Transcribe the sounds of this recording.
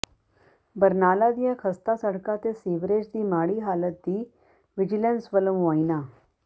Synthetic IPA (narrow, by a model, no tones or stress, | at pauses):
bəɾnaːlad̪ijãkʰəst̪asəɽkat̪esiʋɾed͡ʒd̪iːmaːɽiːɦaːlət̪̚d̪iː | ʋɪd͡ʑilẽnsʋələmʋaːina